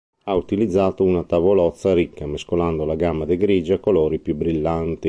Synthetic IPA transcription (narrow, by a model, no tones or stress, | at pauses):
aut̪ilid̪zːaːt̪ounat̪avolɔt̪sːaɾikːameskoland̪olaɡamːad̪eɡɾid͡ʒakoloːɾipjubɾilːant̪i